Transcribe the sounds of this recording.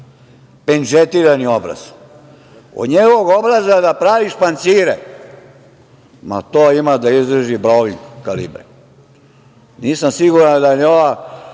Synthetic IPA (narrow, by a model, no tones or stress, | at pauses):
penʒet̪iːɾaniobɾa̰z̥ | o̰d̪ɲeɡoɡobɾazad̪apɾaʋiʃpant̪siːɾe | ma̰t̪oːimad̪aizd̪ɾəʒibɾoʋiŋkkalḭbɾḛ | niːsamsiɡuɾad̪ajeoʋa